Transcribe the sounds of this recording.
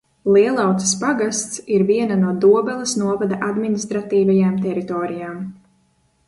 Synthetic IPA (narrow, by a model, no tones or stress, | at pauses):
lˠiɛlˠawt̪spaɡast̪siɾviɛnanuɔd̪uɔbɛlˠasnuɔvad̪aʔad̪minist̪ɾat̪iːvajaːmt̪ɛɾit̪ɔːɾijaːm